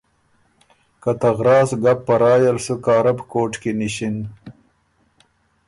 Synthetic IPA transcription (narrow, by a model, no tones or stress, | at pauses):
kɐt̪ɐɣɾɑːsɡapːɐɾɑːjalsukɑːɾɐbkoːʈkiniɕin